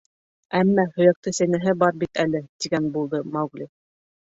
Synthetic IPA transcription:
æmːæhɵ̆jæk̚t̪ɤsæjnæɦɘbɑɾbit̪ælɘt̪iɡænbulˠd̪ɤmɑwɡlʲi

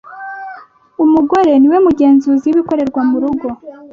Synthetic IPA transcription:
umuɡo̞ɾe̞niwe̞muɟe̞ːnzuːziwuβiko̞ɾe̞ɾɡwamuɾuɡo̞

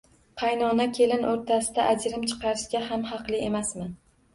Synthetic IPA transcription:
qʰɑjnɒnakʲʰe̞lɪnʔoɾt̪ʰasɪd̪aʔad͡ʒɾɪmt͡ʃʰɨ̥qɑɾɪʃɡʲaɦamhɑqlˠɪe̞masmɪn

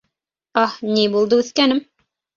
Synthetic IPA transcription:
ɑhnibulˠd̪ɤʉθkænɘm

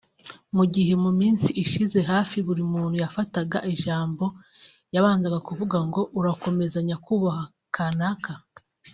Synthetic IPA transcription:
muɟiɦe̞mumiːnsiiʃize̞ɦaːfiβuɾimuːn̥hujafataɡa̰ʔiʒaːmbo̞ | jaβaːnzaɡakuvuɡaŋɡo̞ʔuɾako̞me̞zaɲakuːβaha | kʰanakʰa

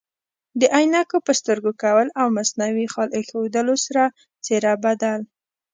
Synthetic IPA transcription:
d̪əʔajnakopəst̪əɾɡokawəlawmasnawixɑlʔexod̪əlosaɾa | t͡seɾɑbad̪al

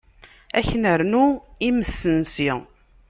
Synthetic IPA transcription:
æçnəɾnuiməsːənsi

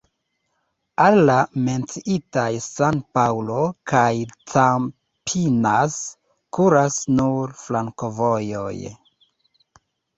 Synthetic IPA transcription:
alːame̞nt͡siʔitajsanpaulo̞kajt͡sam | pʰinas | kuɾasnuɾflaŋko̞vo̞jo̞̰j

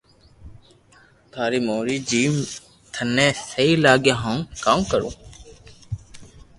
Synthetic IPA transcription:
t̪ʰaːɾiːmoːɾiːd͡ʒiːm | t̪ʰənːẽːsəiːlaːɠjãːɦãkãːmkəɾṵ̃ː

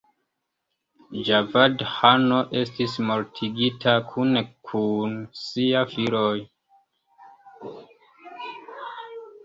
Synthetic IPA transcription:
d͡ʒavadhanoʔe̞stismo̞ɾtʰiɡitʰakʰunkʰunsiafiɾoj

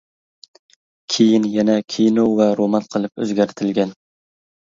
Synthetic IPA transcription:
kʲʰejɪnjɛnɛkʲʰijnovɛɾomɑnqʰɨlˠɪpɵ̰zɡʲæɾt̪ʰɪlɡʲɛn

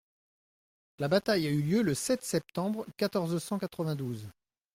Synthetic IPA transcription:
labat̪ajayljøləsɛt̪sɛp̚t̪ɑ̃bʁkʲat̪ɔʁzsɑ̃kat̪χəvɛ̃d̪uz

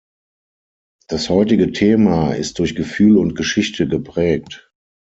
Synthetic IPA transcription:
d̥ashɔʏtɪɡətʰeːmaɪ̰st̚d̥ʊɐçɡ̥əfyːlʊnt̚ɡ̥əʃɪçtʰəɡəpʁ̥ɛːk̚t

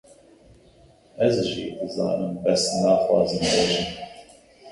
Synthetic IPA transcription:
ɛzʒḭːd̪əzɑ̰ːnɨmbɛsnɑːxwɑːzɨmbɛʒɨn

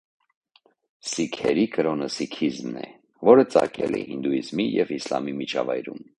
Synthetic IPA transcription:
sikʰɛɾikəɾɔnəsikʰizmnɛ | vɔɾət͡sɑkɛlɛ̰hind̪uizmijɛvislɑmimit͡ʃʰɑvɑjɾum

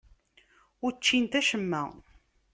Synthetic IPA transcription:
ʊɾt͡ʃːint̪æʃəmːæ

